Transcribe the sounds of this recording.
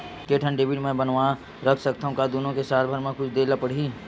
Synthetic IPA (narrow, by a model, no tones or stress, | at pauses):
keʈʰə̃nɖeːbiʈmɛ̃bənʋa | ɾɐkʰsɐk̚t̪aũkad̪unõkesaːlbʱəɾmẽkʊt͡ʃʰd̪eːləpəɽ̤ɦi